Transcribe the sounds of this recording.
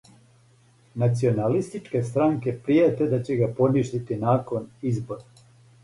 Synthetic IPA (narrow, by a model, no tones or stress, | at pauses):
nat̪sio̞nalist̪it͡ʃke̞st̪ɾaŋke̞pɾijet̪e̞d̪at͡ɕe̞ɡapo̞niʃt̪it̪inaːko̞nizbo̞ɾa